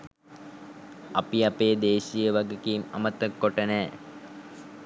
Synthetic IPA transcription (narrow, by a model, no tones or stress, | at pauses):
ɐpiapeːd̪eːʃijəʋaɡekiːmɐ̰mət̪əkːoʈənɛː